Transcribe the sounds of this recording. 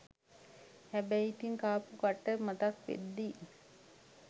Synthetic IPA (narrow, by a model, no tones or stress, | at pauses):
hæbæjit̪iŋkaːpukaʈːəmat̪akʋḛd̪ːi